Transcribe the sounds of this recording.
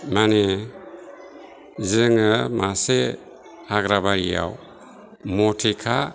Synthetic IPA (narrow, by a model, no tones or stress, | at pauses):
mane | ziɾɯŋamase | aɡɾabaɾḭja̰w | mɔtʰekʰa